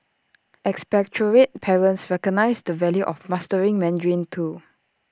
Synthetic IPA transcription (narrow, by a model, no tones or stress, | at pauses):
ɛkspɛk̚t͡ʃəɹet̚pʰɛɹə̃ntsɹɛkɔɡ̚naɪsdəvɛljuʔɔfmastəɹĩŋmɛ̃ndɹĩntʰu